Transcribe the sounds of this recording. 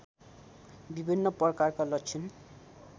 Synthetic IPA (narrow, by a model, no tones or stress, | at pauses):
bibʱinːʌpʌkarkalʌkt͡sʰin